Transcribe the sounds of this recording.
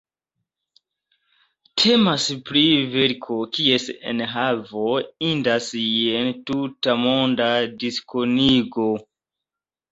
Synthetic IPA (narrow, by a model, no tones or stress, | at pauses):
tʰe̞maspɾive̞ɾkʰo̞kie̞sḛnɦavo̞indasjentutamo̞ndadiskoniɡo̞